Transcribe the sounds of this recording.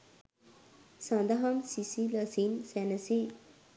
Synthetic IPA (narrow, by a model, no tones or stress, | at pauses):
sãnd̪ɐɦɐmsisiləsinsænəsi